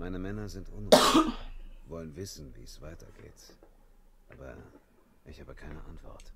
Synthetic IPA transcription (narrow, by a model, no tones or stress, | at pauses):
maɪnəmɛnɐzɪntʔʊnʁ | vɔlənvɪsn̩vḭːɛsv̥aɪtɐɡḛːt | ʔa̰ːbɐ̰ | ʔɪçhaːbəkʰaɪnəʔantv̥ɔ̰ɐt